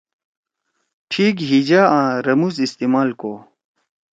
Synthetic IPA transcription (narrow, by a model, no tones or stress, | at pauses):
ʈʰiːkɦid͡ʑaãːɾɐmusist̪iːmaːlkoː